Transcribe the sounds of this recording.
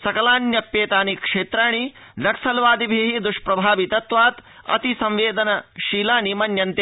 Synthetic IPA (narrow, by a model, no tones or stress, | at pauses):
sɐkɐlaːnjɐpːeːt̪aːnikʂeːt̪ɾaːɳ̃i | d̪ɐksɐlʋaːd̪ibʱeːɦid̪uʂpɾɐbʱaːʋit̪ɐt̪ʋaːt̪ | ɐ̰t̪isɐ̃mʋeːd̪ɐnɐʃiːlaːnimɐnjɐnt̪e